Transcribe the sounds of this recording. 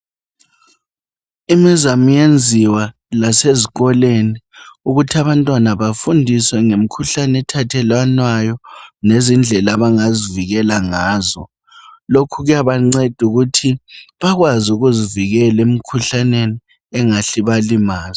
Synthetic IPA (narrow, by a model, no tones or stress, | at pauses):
imizamujend͡zʱiwa | laseziɣɔleniuɣutʰaβantʼwanaβafundʱiswɛŋem̩kʰuɬanɛtʰatʰɛlwanwajɔnezind͡ɮʱɛlaβaŋaziviɣɛlaŋaːzɔ̰ | lokʰuɣujaβaŋ͡ǀed̥ʱuɣutʰiβaɣwazuɣuziviɣɛlem̩kʰuɬaneni | ɛŋaɬiβalimaːz